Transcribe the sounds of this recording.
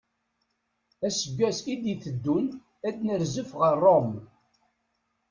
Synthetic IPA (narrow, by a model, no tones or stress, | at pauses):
æsəɡːæsid̪iθəd̪ːun | æd̪nəɾzəfʁərˤːom